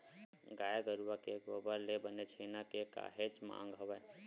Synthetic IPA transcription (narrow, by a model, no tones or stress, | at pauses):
ɡaːjaɡəɾuwakeɡoːbəɾlebənet͡ʃʰeːnakeka̰ːɦed͡ʒmã̰ːŋ̆ɡɦəʋɛː